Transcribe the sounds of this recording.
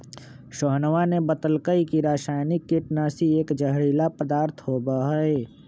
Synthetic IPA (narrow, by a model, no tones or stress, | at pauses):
ʃɔɦnəʋanebət̪əlkəikiɾaːʃaːjnɪkːɪʈnasieːkd͡ʒəɦɽiːlapəd̪aːɾt̪ʰɦoːbaɦəe